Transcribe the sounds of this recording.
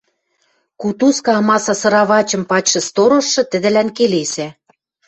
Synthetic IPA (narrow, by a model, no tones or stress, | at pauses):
kut̪uskɑmɑsɑsɤ̆ɾɑβɑt͡ɕɤ̆mpɑt͡ɕʃɤ̆st̪oɾŏʃːɤ̆t̪ɘ̆d̪ɘ̆lænkelesæ